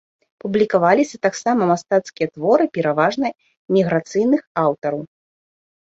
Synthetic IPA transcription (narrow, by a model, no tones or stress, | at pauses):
publʲikavalʲisʲɐt̪aksamɐmast̪at̪skʲijɐt̪vɔɾɨpʲɛɾavaʐnɐ | mʲiɣɾat̪sɨjnɨxawt̪ɐɾɐw